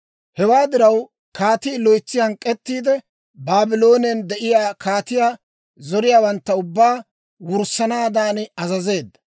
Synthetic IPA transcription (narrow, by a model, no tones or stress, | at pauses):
hɛwaːd̪ɪɾɐw | kaːt̪iːlɔjt͡sːɪjankʼɛt̪ːiːd̪ɛ | baːbɪlo̞ːnɛnd̪ɛʔɪjaːkʰaːt̪ɪjaː | zɔɾɪjaːwɐnt̪ːɐʊbːaː | wʊɾsɐnaːd̪aːnɪɐzɐze̞ːd̪ːɐ̥